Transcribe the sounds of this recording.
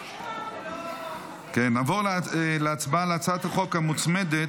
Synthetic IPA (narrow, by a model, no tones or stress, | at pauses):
kenːaːvoʁleat͡sbaleat͡sat̪haχo̞khamut͡smed̪e